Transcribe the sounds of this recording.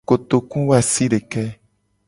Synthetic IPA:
ko˨t̪o˨kũ˦wo˦a˨si˦ɖe˨kɛ˦

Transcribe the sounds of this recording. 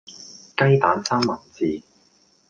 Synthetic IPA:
kɐ˥jt̪aː˨˥nsaː˥ŋmɐ˨˩nt͡siː˨˧

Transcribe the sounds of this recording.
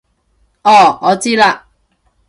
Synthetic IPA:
ʔɔː˨˩ŋɔː˨˧t͡siː˥la˧ʔ

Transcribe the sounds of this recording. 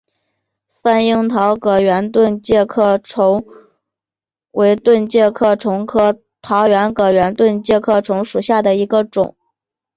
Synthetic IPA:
fa˥˧ni˥ŋt̪ʰɑ˧˥ʊkɤ˨˩ɥɛ˧˥nt̪wə˥˧nt͡ɕjɛ˥˧kʰɤ˥˩ʈ͡ʂʰʊ˧˥ŋ | we˧˥ɪt̪wə˥˧nt͡ɕjɛ˥˧kʰɤ˥˩ʈ͡ʂʰʊ˧˥ŋkʰɤ˥˩ | t̪ʰɑ˧˥ʊɥɛ˧˥nkɤ˧˩˥ɥɛ˧˥nt̪wə˥˧nt͡ɕjɛ˥˧kʰɤ˥˩ʈ͡ʂʰʊ˧˥ŋʂu˨˩ɕja˥˩d̪ə˩i˧˥ɡə˧ʈ͡ʂʊ̰˨˩˦ŋ

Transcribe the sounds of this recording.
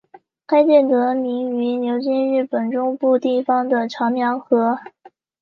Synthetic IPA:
kʰa˥ɪt͡ɕjɛ˥˩nt̪ɤ˧˥mi˧˥ŋy˧˥njo˧˥ʊt͡ɕi˥nɻɻ̩˥˩pə˨˩nʈ͡ʂʊ˥ŋpu˥˧t̪i˥˩fɑ˧˩ŋd̪ə˨ʈ͡ʂʰɑ˧˥ŋmjɑ˧˥ŋxɤ˧˥

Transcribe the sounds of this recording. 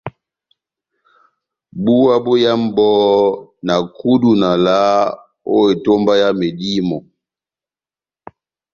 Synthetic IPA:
bu˦wa˦bu˦ja˦m˦bɔ˦na˨ku˦du˨na˨la˦ | o˦je˨to˦mba˦ja˦me˨di˦mɔ˨

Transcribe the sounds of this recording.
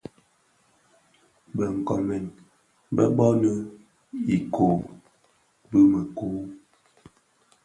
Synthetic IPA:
bə˨ŋ̩˨kɔ˨mɛ˨n | bə̰˦bɔ˦nə˦ | i˨kʰo˨ | bə˦mə˨kuː˦

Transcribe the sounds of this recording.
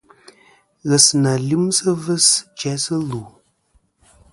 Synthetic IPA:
ɣə˨sna˨li˦msə˦və˦st͡ʃɛ˦sə˦lu˨

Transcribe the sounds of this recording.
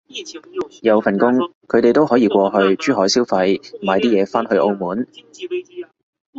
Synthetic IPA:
jɐ˨˧wfɐ˨˩nkʊ˥ŋkʰɵ˨˧ɥt̪e˨jt̪o˥whɔː˨˥jiː˧kʷɔː˧ɦɵ˧ɥt͡ʃyː˥hɔː˨˥jsiː˥wfɐ˧jm̩ː˨˩˨a˨˧jt̪iː˥jɛː˨˧faː˥nɦɵ˧ɥʔo˧wmuː˨˥n

